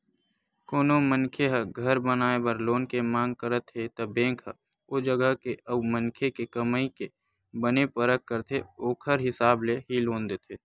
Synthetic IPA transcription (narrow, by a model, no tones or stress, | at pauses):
koːnomənkʰeɦəɡʱəɾbənaːebəɾloːnkemãːŋɡ̚kəɾət̪ɦet̪ɐbẽːŋkʰə | ʊd͡ʒəɡəɦkeəbmənkʰekekəməike | bənepəɾək̚kəɾt̪ʰeoːkʰəɾɦɪsaːbleɦiloːnd̪et̪ʰeː